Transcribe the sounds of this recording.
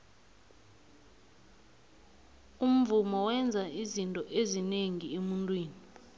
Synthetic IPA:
um̩vumɔwɛnd͡zʱaizintʼɔʔezineŋiemuntʼwiːni

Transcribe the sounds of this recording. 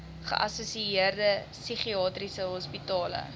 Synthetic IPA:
χə̰ʔɐsusiiərdə | syχiɑːtrisəɦɔspitɑːlə̰

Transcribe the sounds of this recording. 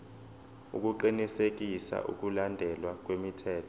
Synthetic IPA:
ṵk̬ʼuǃinisek̬isa̰ʔṵk̬ulandʱɛlwak̬ʼwemitʰɛːtʰɔ̥

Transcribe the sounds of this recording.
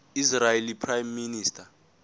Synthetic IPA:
israelipʰrajmːiniːstʰʼa

